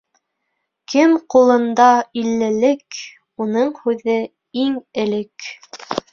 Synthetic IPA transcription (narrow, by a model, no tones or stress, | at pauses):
kɘmqulˠɤ̆nd̪ɑilːɘ̆lɘk | unɤɴhʉðɘ | iŋɘ̆lɘk